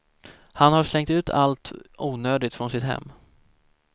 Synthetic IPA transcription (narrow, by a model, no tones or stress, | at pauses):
hanhaʂlɛŋt̪ʉ̟ːt̪ʰa̰lt̪ʔuːnøːd̪ɪt̪fɾɔnsɪt̪ɦɛ̰mː